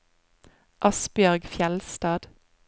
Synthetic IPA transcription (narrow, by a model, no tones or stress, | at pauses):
ʔɑsbjœʁɡfjɛlst̪ɑːd̪̥